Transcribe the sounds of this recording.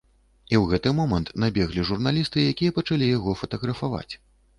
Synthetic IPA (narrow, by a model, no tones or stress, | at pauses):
iwɣɛt̪ɨmɔmɐnt̪nabʲɛɣlʲiʐurnalʲist̪ɨjakʲijɐpɐt͡ʂalʲijaɣɔfɐt̪ɐɣɾɐfava̰t͡sʲ